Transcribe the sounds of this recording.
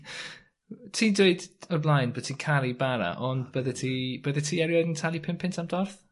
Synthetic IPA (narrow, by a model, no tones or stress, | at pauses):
tʰiːdweɨdɔrblˠajnbəðtʰiːkʰaɾibaɾa̰ʔɔndbəðɛtʰib̥əðɛtʰiːɛɾjɔdəntʰalˠipʰɪmpʰɪntʰamdɔrθ